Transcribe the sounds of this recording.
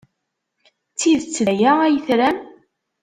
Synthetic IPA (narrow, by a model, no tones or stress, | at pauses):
t͡sːiðt͡sːlæjææjəθɾæm